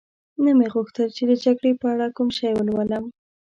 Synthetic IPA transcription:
nameɣʊxt̪əlt͡ʃed̪əd͡ʒaɡɽepəaɽakumʃajwəlwaləm

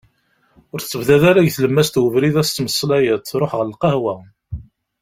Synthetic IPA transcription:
ʊɾθt͡sːəvðæðaɾæʝθləmːæst̪wəvɾiðæst͡s̪ːməsˤːlæjət̪ːɾˤoħʁəlqɑhwæ

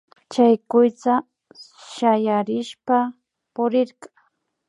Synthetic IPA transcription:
t͡ʃajkʊjt͡sa | ʃajaɾɪʃpa | pʊɾɪɾɢɑŋ

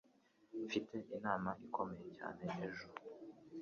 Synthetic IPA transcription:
fitʰe̞ʔinaːmaʔikʰo̞me̞je̞ca̰ːne̞neʒuɾu

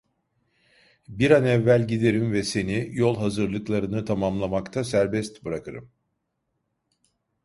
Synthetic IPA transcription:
biɾanɛvːælʲɟid̪e̞ɾimvɛse̞nijo̞lˠɦazɯɾlˠɯklˠaɾɯnɯt̪ʰamamlˠamakt̪ʰasæɾbɛst̪bɯɾakɯɾɯ̰m

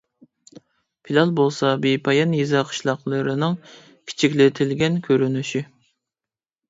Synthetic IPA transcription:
pʰilʲˠɑlˠbolˠsɑbipʰɑjɑnjizɑqʰə̥ʃlˠɑqlˠəɾɨnɨŋ | kʲʰi̥t͡ʃʰikʲlɪt̪ʰɪlɡʲɛnkʲʰøɾynyʃi

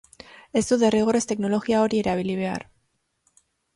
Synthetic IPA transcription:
e̞zd̪uðe̞riɣ̞o̞ɾe̞st̪e̞kno̞lo̞ɣiao̞ɾie̞ɾaβiliβ̞e̞a̰ɾ

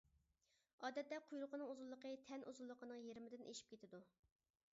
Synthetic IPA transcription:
ɑːd̪ɛt̪ːɛqʰujɾʊqʰənɨŋuzulˠːəqʰət̪ʰɛnʔuzulˠːəqʰənɨŋjeɾmɪd̪ɪnʔeʃi̥p̚kʲʰet̪ʰɪd̪u

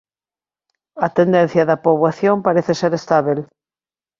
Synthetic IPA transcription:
at̪end̪ẽn̟θjaðapoβaθjompaɾeθeseɾest̪aβel

